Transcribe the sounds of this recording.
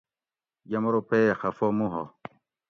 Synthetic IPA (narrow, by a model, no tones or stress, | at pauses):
jɐmɾopexɐfomũɦo̰